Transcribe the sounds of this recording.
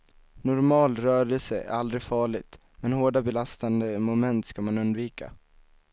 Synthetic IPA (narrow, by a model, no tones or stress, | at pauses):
nʊɾmɑːlɾœːɾɛlsəæ̰ɾald̪ɾɪɡfɑːɭɪɡ̚t̪ | mɛnhoːɖabɛlast̪and̪əmʊmɛnt̪skamanɵnd̪viːka̰